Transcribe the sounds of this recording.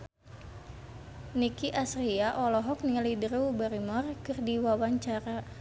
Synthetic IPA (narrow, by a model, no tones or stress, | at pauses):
nikiʔasriaʔɔlɔɦɔk̚nilidərubəɾimɔrkɨrdiwawaɲt͡ʃaɾa